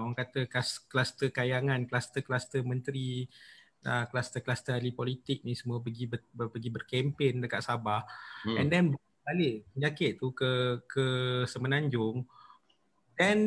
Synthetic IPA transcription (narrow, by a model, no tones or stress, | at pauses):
aŋkat̪əkasklast̪əkajaŋãnklast̪əklast̪əmə̃nt̪ɾi | əklast̪əklast̪əalipɔlit̪ɪk̚nisəmapəɡibəpəɡibərkɛmpendəkaʔ̪̚sabahɛndɛnbə | balɪʔpəɲakɪʔ̪t̪ukəkəsəmənaɲd͡ʒʊŋ | dɛn